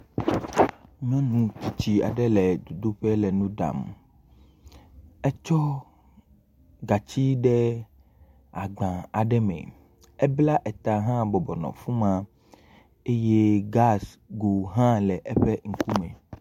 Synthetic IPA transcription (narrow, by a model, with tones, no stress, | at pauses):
mɛ̃˦nũ˨t̪i˨t͡ɕi˨a̰˨ɖɛ˦lɛ˨d̪u˨d̪o˦ɸɛ˦lɛ˨nũ˦ɖa̰˨m | ɛ˦t͡ʃɔ˦ | ɡa˨t͡ɕi˦ɖɛ˦ | a˨ɡ͡bã˨a˨ɖɛ˦mɛ̰̃˨ | ɛ˦bla˦ʔɛ˨t̪a˨ɦã˦bɔ˨bɔ˨nɔ̰̃˨fũ˦mã˦ | e˦je˦ɡa˦s | ɡo˨ɦã˦lɛ˨ʔɛ˦ɸɛ˦ŋ̩˨ku˦mɛ̰̃˨